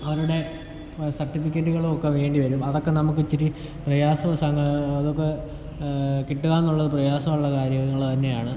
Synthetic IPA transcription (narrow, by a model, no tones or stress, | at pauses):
ɐʋɐɾuɽe̞ | sɐrʈːifikʲːɐtːuɣɐɭuokːe̞ʋe̞ːɳɖiʋɐɾumɐðo̞kːe̞nɐmuk̬ːɨt͡ɕːiɾi | prɐjaːsɐsɐŋɐðokːe̞ | kiʈːuɣaːnːuɭːɐðɨprɐjaːsɐmuɭːɐkaːɾjɐŋːɐɭt̪ɐnːe̞jaːɳɨ